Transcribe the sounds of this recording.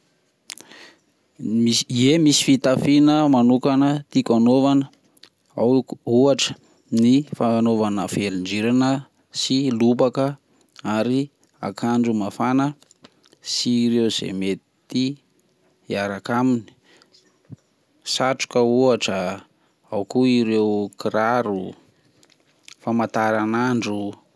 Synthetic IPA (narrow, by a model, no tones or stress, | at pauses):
miiemisi̥fit̪afinəmanukanət̪ikʲanovanə | auaʈ͡ʂə̥ | nifanovanəfeliɳd͡ʒiɾanə | silubakə | aɾi | a̰kʰand͡ʒumafanə | siɾewuz̥ḛmet̪ | t̪i | iaɾakamini̥ | saʈ͡ʂu̥kəuaʈ͡ʂə | awkuiɾewkiɾaɾu | famat̪aɾanaɳɖ͡ʐu